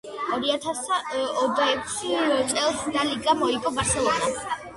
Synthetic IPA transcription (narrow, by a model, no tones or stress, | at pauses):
ɔɾiat̪ʰasɔd̪aɛkʰst̪sʼɛlˠsnaliɡamɔiɡʼɔbaɾsɛlˠɔna